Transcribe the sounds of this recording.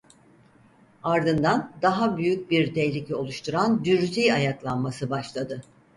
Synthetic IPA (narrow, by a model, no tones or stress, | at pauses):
aɾd̪ɯnd̪and̪aɦabyjyc̚biɾt̪ɛjlʲicʰo̞lˠuʃt̪ʰuɾand̪yɾzijajaklˠanmasɯbaʃlˠad̪ɯ